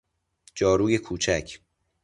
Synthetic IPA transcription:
d͡ʒɒːɾuːjekʰuːt͡ʃʰæcʰ

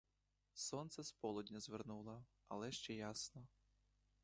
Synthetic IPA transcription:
sɔnt̪sɛspɔlˠɔd̪ʲnʲɐzʋernulˠɐ | ɐ̰lˠɛʃt͡ʃɛjasnɔ

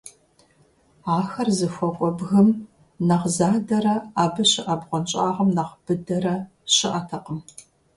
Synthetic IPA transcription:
aːxɐrzɨxʷɔkʷʼɔbɣɨm | nɐʁzaːdɐɾɐaːbɐɕɪʔɐbʁʷɔnt͡ʃʼaːʁɐmnɐqb̥ɨdɐɾɐ | ɕɪʔɐtʰɐqəm

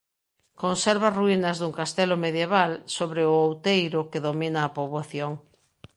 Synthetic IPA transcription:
konsɛɾβaruinɐzðuŋkast̪ɛlʊmeðjeβ̞alsoβɾɪʊowt̪ejɾʊkeðominɐːpoβoθjoŋ

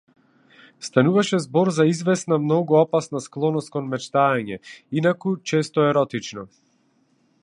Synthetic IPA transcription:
st̪anuvaʃɛzbɔɾzaizvɛsnamnɔɡuɔpasnasklˠɔnɔst̪kɔnmɛt͡ʃt̪aaɲɛinakut͡ʃɛst̪ɔɛɾɔt̪it͡ʃnɔ

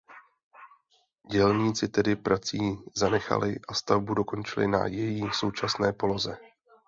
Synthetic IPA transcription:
ɟɛlɲiːt͡sɪt̪ɛdɪpɾat͡siːzanɛxa̰lɪʔast̪avbudo̞ko̞nt͡ʃɪlɪ̰na̰jɛjiːso̞wt͡ʃasnɛːpo̞lo̞zɛ

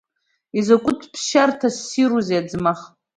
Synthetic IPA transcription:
izakʷʼʊtʰpʰʃartʰasːiɾuzead͡zmaχ

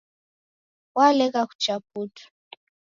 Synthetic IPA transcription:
walɛkaku̥t͡ʃap̚utu̥

